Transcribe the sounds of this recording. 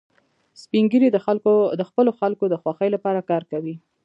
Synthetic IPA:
spiŋɡəɾid̪əald̪əxpəloxalkod̪əxwaxəjlapɑɾakɑɾkawi

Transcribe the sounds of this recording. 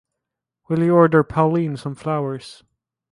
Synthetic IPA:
wɪlˠiɔɹdə˞pʰaʊlĩnsə̃mflaʊə˞z̥

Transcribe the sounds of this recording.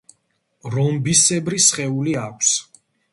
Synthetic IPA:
ɾɔmbisɛbɾisχɛuliakʷʰs

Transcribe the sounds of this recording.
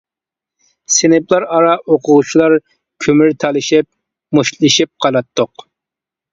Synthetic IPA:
senɪplˠɑɾɑɾɑʔoqʰʊʁut͡ʃʰilˠɑɾ | kʲʰømyɾt̪ʰælˠɨʃip̚ | muʃlˠɨʃip̚qʰɑlɑt̪ʰːoq

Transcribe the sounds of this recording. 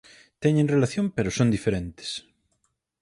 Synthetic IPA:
t̪ɛɲẽŋrelaθjõmpeɾʊsond̪ifeɾent̪ɪ̥s

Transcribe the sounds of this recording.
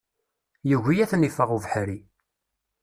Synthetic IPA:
jəʝʷijæθnifəʁuvħɾi

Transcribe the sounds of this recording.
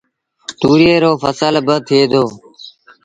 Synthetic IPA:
t̪uːɾieːɾoːfəsəlbət̪ʰɪeːd̪oː

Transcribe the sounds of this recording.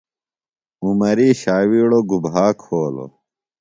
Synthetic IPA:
umɐɾiːɕaːwiːɽoɡubɦaːkʰhoːlo̰

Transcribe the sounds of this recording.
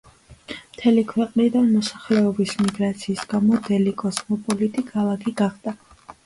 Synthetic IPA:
mt̪ʰɛlikʰwɛqʼnid̪anmɔsḁχlɛɔbismiɡɾat̪sʰiːsɡamɔd̪ɛlikʼɔsmɔpʼɔlit̪ʼikʼalˠaɡʰʼiɡaχd̪a

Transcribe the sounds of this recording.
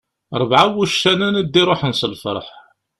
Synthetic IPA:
ɾˤəvʕawuʃːænænid̪ːiɾˤoħənsəlfə̰ɾˤħ

